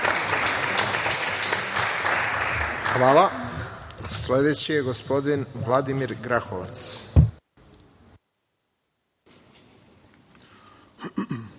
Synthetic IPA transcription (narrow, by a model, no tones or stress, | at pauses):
xʋaːla | sle̞d̪et͡ɕijeɡo̞spo̞d̪inʋlˠad̪imiɾɡɾaxoʋa̰t̪s